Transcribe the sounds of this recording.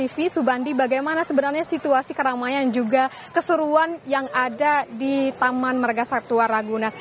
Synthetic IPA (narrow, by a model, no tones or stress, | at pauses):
ifisubandibaɡajmanasəbənarɲasit̪uasikəɾamajand͡ʒuɡa | kəsəɾuanjaŋadadit̪amanmərɡasak̚t̪uaɾaɡuna